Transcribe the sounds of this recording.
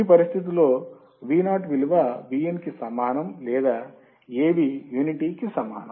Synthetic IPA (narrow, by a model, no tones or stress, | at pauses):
ipɐɾist̪ʰit̪̬iloː | ʋiːnaːʈʋiluʋɐʋijenkisɐmːaːnɐmlɛːd̪aː | eːʋijuːniʈiːkisɐma̰ːnɐ